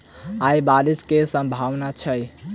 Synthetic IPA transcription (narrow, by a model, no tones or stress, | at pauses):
ajbaɾiskesə̃mbʱaʋnat͡ʃʰəj